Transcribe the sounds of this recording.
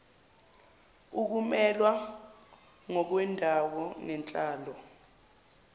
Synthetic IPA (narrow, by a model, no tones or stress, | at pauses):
uk̬umɛlwa | ŋɔk̬wɛndʱawɔnɛnt͡ɬʼaːlɔ